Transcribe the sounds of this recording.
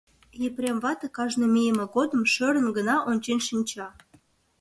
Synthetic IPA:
jeprʲemβɑt̪ə̆kɑʒnomʲijəmĕɡod̪ə̆mʃøɾə̆nɡə̆nɑʔonʲt͡ɕenʲʃinʲt͡ɕɑ

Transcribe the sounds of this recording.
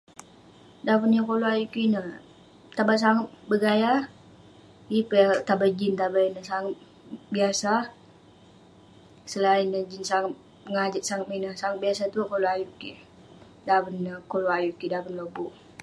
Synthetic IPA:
dapənjakoloajukinə | t̪abas̬aŋət̪̚bəɡajar | ipət̪abad͡ʒint̪abainəsaŋət̪̚ | biasa | səlainəd͡ʒinsaŋət̪̚ | əŋad͡ʒət̪̚saŋət̪̚minəsaŋət̪̚biasat̪uaʔkoloajuki | dapənəkoloajukidapənlobɔ

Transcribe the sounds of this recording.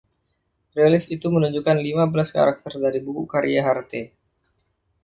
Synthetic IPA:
relifit̪umənuɲd͡ʒukanlimabəlaska̰ɾak̚t̪ərdaɾibukṵkaɾiaɦart̪e

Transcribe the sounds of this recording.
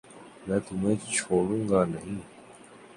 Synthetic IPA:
mat̪umẽːt͡ɕʰoːɽuŋɡaːnɐɦĩ

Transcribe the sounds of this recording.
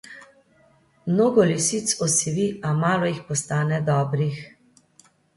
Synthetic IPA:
mnoːɡɔlisit̪sɔsiʋiamaːlɔixpɔst̪aːnɛd̪ɔːbɾix

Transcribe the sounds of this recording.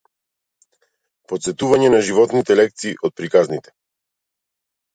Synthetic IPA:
pot̪sɛt̪uvaɲɛnaʒivɔt̪nit̪ɛlɛkt̪siːʔɔt̪̚pɾikaznit̪ɛ̥

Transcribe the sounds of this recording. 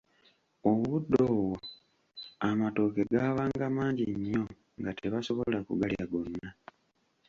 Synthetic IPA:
omuβudːo̞ːwo | amato̞ːke̞ɡaːβaːŋɡamaːɲɟḭɲːo̞ | ŋɡate̞βaso̞βo̞lakṵɡaljaɡo̞nːa

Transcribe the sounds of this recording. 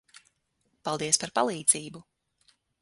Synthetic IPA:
palˠd̪iɛspaɾpalˠiːd̪z̥iːbu

